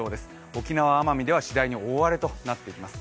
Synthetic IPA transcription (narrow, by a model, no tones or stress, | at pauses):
o̞ːd̪e̞sɨ̥ | o̞kʲinaβ̞aːmamʲid̪e̞β̞aɕid̪aiɲ̟io̞ːβaɾe̞t̪o̞nat̪ːe̞ikʲimasɨ̥